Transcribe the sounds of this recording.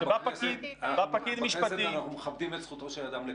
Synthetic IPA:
bapakid̪bapakid̪miʃpat̪inaχumeχabd̪imesχut̪oʃelad̪amle

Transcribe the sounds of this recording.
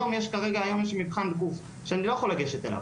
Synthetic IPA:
omjeʃkaʁe̞ɡaajomjeʃ̬imipχand̪̚ɡuf | ʃeanilo̞jexolaɡeʃet̪ḛla̰v

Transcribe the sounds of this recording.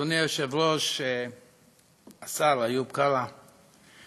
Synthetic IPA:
onioʃevɾoʃe | asalajubkala

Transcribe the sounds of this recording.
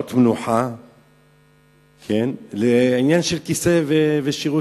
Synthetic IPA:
t̪mnuħa | kʰenleʕinjanʃelkiseveveʃiʁu

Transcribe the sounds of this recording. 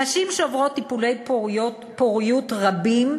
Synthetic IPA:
aʃimʃeovʁo̞t̪ːipulejpoot | poʁijut̪ʁabim

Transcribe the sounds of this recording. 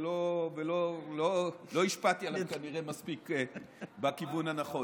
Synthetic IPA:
lovelololo̞iʃpat̪ialakaniʁemaspik | bakivunanaχo̞

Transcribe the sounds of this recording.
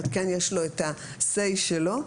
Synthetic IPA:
t̪kenjeʃlo̞et̪asejʃelo̞

